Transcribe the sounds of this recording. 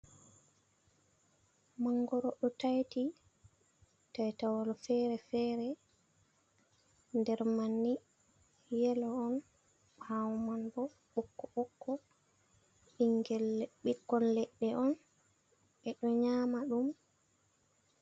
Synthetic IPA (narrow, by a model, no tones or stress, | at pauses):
maŋɡɔɾɔɗɔtajti | tajtawalɔfɛɾɛfɛːɾɛ | ndɛɾmanːi | jɛlɔɔn | awmanbɔ | ɓɔkːɔɓɔkʰːɔ | iŋɡɛlːɛɓikːɔnlɛɗːɛʔɔn | ʔɛɗɔɲaːmaɗum